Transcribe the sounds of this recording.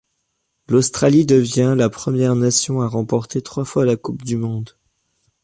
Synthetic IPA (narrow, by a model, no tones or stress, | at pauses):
lost̪χalid̪əvjɛ̃lapχəmjɛʁnasjɔ̃aʁɑ̃pɔʁt̪et̪χwafwalakupd̪ymɔ̃d̪